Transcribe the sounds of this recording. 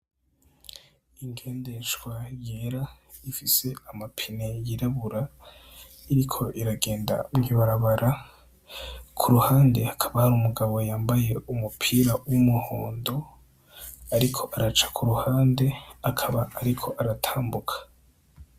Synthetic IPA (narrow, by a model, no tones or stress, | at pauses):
iŋɡe̞ːnde̞ʃɡwajeɾa | ifise̞amapʰine̞jiɾaβuɾa | iɾikʰo̞ʔiɾaɡe̞ːnda̰ŋiβaɾaβaɾʔa | kʰuɾuhaːnde̞akʰaβahaɾumuɡaβo̞jaːmbaje̞umupʰiːɾawumuhoːndo̞ | aɾikʰo̞ʔaɾat͡ʃḁkʰuɾuhaːnde̞akʰaβaːɾikʰo̞ʔaɾatʰaːmbukʰḁ